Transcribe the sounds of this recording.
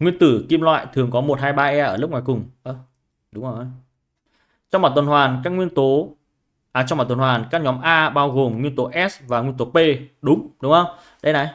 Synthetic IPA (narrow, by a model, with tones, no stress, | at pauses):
ŋwi˧ənt̪ɨ˧˩ki˧mlwa̰ː˧˨jt̪ʰɨ˨˩əŋkɔ˨˦mo˨˩t̚haː˧jɓaː˧ʔɛ˧ʔəː˧˩lɨ˦˥p̚ŋaː˨˩jkʊ˨˩ŋ͡mʔəː˧˩ | ɗʊ˨˦ŋ͡mo˨˩˧ | t͡ɕɔ˧wŋ͡mmaː˨˩t̪ə˨˩nhwaː˨˩nkaː˦˥k̚ŋwi˧ənt̪o˨˦ | ʔaː˨˩t͡ɕwŋ͡mɓaː˨˩t̪ə˨˩nhwaː˨˩nkaː˦˥k̚ɲɔ˨˦mʔaː˧ɓaː˧wɣo˨˩mŋwi˧ənt̪o˨˦ʔɛ˦˥svaː˨˩ŋwi˧nt̪o˨˦pe˧ɗʊ˨˦ŋ͡mɗʊ˨˦ŋ͡mhə˧wŋ͡m | ɗə˧jna˨˩j